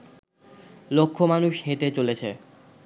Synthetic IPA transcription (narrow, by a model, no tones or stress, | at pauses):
lokʰːomanuʃɦeʈet͡ɕolet͡ɕʰe